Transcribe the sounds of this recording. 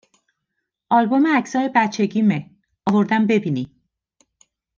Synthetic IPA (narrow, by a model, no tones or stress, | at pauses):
ʔɒlbo̞meæcsɒːjebæt̪t͡ʃʰe̞ɟiːme | ɒvoɾd̪æmbe̞biːni